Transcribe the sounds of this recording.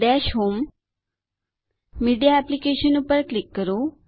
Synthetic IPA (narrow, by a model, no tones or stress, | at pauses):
dɛʃɦoːm | iɖijaɛplikeʃənupəɾklikːəɾo